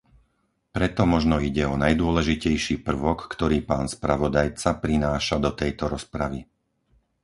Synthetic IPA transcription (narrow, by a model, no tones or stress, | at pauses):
pɾɛt̪ɔmɔʒnɔiɟɛɔnajd̪ʊɔlɛʒicɛjʃiːpr̩ʋɔkːt̪ɔɾiːpaːnspɾaʋɔd̪ajt͡sapɾinaːʃad̪ɔt̪ɛjt̪ɔɾɔspɾaʋi